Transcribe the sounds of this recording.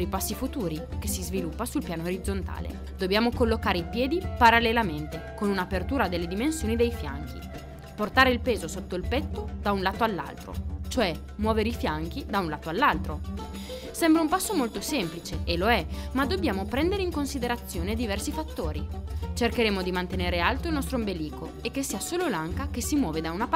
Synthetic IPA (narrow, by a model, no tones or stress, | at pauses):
ɾipasːifut̪uːɾik̟esizvilupːasulpjaːnooɾid̪zːont̪a̰ːlḛ | d̪objaːmokolːokaːɾeipjɛːd̪ipaɾalːelament̪ekonunapert̪uːɾad̪elːed̪imensjoːnid̪ejfja̰ŋk̟ḭ | port̪aːɾeilpeːzosot̪ːoilpɛt̪ːod̪aunlaːt̪oalːa̰lt̪ɾo̰t͡ʃoɛ | mwɔːveɾeifjaŋk̟id̪aunlaːt̪oalːalt̪ɾo | sɛmbɾaumpasːomolt̪osɛmplit͡ʃeʔeloɛmad̪ːobjaːmopɾɛnd̪eɾeiŋkonsid̪eɾat̪sːjoːned̪ivɛrsifat̪ːoːɾit͡ʃerkeɾeːmod̪imant̪eneːɾealt̪oilnɔst̪ɾoimbeliːko | ekːesːiːasoːlolaŋkak̟esimwɔːved̪aunap